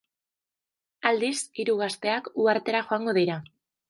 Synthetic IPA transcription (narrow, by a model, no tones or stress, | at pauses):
ald̪isiɾuɣ̞ast̪e̞akuaɾt̪e̞ɾaxo̞aŋɡo̞ðiɾa